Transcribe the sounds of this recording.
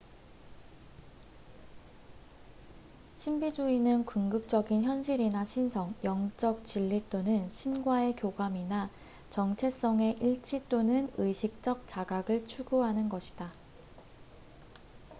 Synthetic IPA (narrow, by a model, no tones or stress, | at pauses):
ɕʰimbid͡ʑuinɯnkuŋɡɯk̚t͡ɕ͈ʌɡinçjʌnɕʰiɾinaɕʰinsʰʌŋjʌŋt͡ɕ͈ʌk̚t͡ɕiʎːit͈onɯnɕʰinɡwae̞kjoɡwamina | t͡ɕʌŋt͡ɕʰe̞s͈ʌŋe̞ʔiɭt͡ɕʰit͈onɯnɯɕʰik̚t͡ɕ͈ʌk̚t͡ɕ͈aɡaɡɯɭt͡ɕʰuɡuɦanɯnɡʌɕʰi̥d̥a